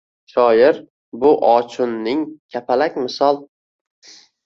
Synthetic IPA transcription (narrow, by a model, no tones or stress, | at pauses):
ʃɒjɪɾ | bʊʔɒt͡ʃʰʊnːɪŋkʲʰapʰalakʲmɪsɒlˠ